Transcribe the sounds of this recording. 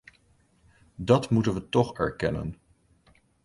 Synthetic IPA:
dɑtmutənʋətɔχɛɹkɛnə̰n

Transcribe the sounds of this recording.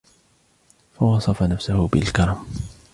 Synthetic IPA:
fawɑsˤɑfanafsʊhʊbɪlkɑɾˤɑm

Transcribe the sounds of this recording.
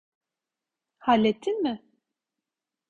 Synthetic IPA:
halʲːet̪ʰːinmɪ

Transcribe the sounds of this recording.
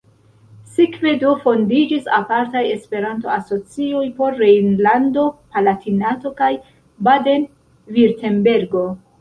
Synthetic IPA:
sikve̞dofo̞ndid͡ʒisapaɾtaje̞spe̞ɾanto̞aso̞t͡sio̞jpo̞ɾːejnlando̞palatʰinato̞kaj | bade̞n | viɾte̞nbe̞ɾɡo̞

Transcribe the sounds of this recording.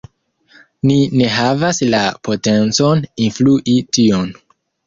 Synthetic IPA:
nine̞ɦavaslapo̞te̞nt͡so̞ninfluʔitio̞n

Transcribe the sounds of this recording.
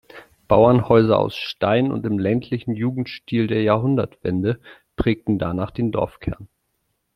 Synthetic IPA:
b̥aʊɐnhɔʏzɐʔa̰ʊsʃtaɪnʊ̰ntɪmlɛntʰlɪçn̩juːɡŋ̩tʃtiːldeːɐjaːɐɦʊndɐtv̥ɛ̰ndə | pʁ̥ɛːk̚tn̩da̰naːχd̥eːndɔ̰ɐfkʰɛɐn

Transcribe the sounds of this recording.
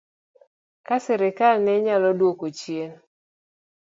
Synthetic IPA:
kasɛɾɪkalnɛɲalɔdwokot͡ʃjel

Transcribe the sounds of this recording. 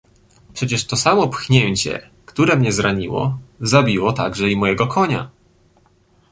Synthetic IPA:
pʂɛt͡ɕɛʂt̪ɔsamɔpxɲeɲt͡ɕɛ̰ | kt̪uɾɛmɲɛzɾaɲiwɔ̰zabʲiwɔt̪aɡʐɛimɔjɛɡɔkʰɔɲa̰

